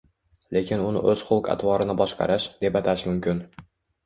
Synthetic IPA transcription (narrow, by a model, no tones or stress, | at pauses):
le̞kʲʰɪnʊnɪ̰ʔɵz̥χʊlˠqʰa̰t̪ʰwɒɾɪnɪbɒʃqɑ̰ɾɪʃd̪e̞pat̪ʰaʃmʊmkʲʰɪn